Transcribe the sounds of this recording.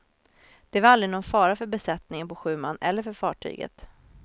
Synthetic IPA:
d̪̥ɛvaɾald̪ɾɪnɔnfɑːɾafœɾbɛsɛt̪nɪŋənpɔɧʉ̟ːmanɛ̰lːəɾfœɾfɑːʈʰy̰ːɡə̰t̪

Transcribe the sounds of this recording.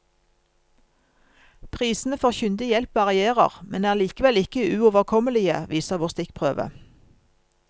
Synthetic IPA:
pʰʁiːsn̩əfɔʁçʏnd̪ɪjɛlpɑɑʁɪeːʁə̰ʁmɛnæːʁliːkəʋɛlɪkəʉːoːʋəʁkʰɔməlɪə̰ʋʔiːsəʁʋoːʁst̪ɪkpʰʁøːʋə̰

